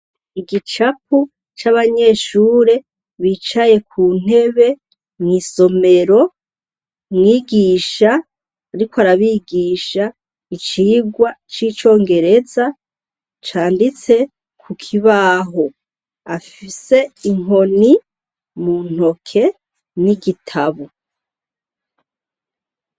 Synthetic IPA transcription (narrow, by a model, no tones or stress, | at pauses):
iɡit͡ʃap̚u | t͡ʃaβaɲe̞ːʃuːɾe̞ | βiːt͡ʃaje̞kʰuːn̥e̞βe̞ | miːso̞me̞ɾo̞ | mŋiːɡiːʃaː | ɾikoaɾaβiːɡiʃa | it͡ʃiːɡwat͡ʃiːt͡ʃo̞ːŋɡe̞ɾe̞za | t͡ʃaːndit͡se̞ | kʰukʰiβaːɦo̞ | afise̞iŋo̞ni | mun̥o̞kʰe̞ | niɡitʰaβo